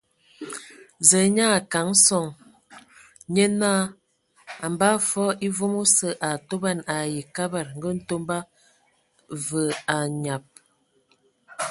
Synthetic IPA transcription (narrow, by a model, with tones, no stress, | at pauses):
zə˨˦ɲa˦˨ka˨˦ŋ̩˦sɔ˦˨ŋ | ɲə˦naː˦ | a˨mba˦fɔ˦i˦vo˦mo˦sə˦ʔa˨to˦ba˦˨na˨ji˨ka˦ba˨ɾŋ̩˨ɡə˦n̩˦to˦mba˦ | və˨a˨ɲa˨p̚